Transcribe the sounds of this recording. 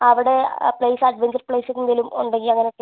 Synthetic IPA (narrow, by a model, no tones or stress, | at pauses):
ɐʋiɽe̞pɭejsɐɖʋeɲd͡ʑɐrpɭejsikːund̪ilumoɳɖeŋɡiɐŋːɐneokːe